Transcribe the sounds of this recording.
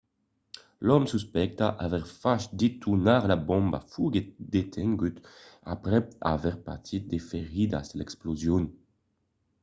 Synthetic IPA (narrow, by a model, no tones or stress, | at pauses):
lɔmsuspɛk̚t̪aʔavɛʁfaʃdit̪ʰunaʁlabɔ̃mba̰fuɡɛt̚d̪et̪ʰɛ̃ŋɡyt̪abʁɛp̚a̰vɛʁpa̰t̪ʰit̪̚d̪efeʁid̪a̰slɛksplozjon